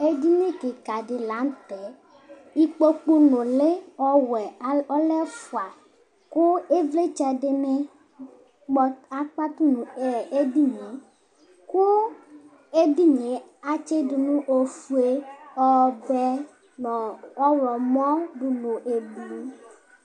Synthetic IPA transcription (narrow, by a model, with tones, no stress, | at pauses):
e˦di˦nẽ˦ke˨ka˨ɖi˨la˨˦n˦t̪ɛ˨ | i˦k͡po˦k͡pu˦no˨le˦ɔ˦wɛ˨˦ɔ˦lɛ˦fu˨a˨ | ku˦e˦vle˦t͡ʃɛ˨de˦ne˦ | k͡pɔ˦a˦k͡pa˦t̪u˦nũ˨e˨e˦di˦ɲe˨ | ku˦ | e˦di˦ɲe˨˦a˦t͡ʃe˦de˨nũ˦ʔo˦fu˦e˦ɔ˦bɛ˦ | nɔ̃˨ɔ˦wlɔ˨mɔ̃˦ɖu˨no˨ʔe˨blu˦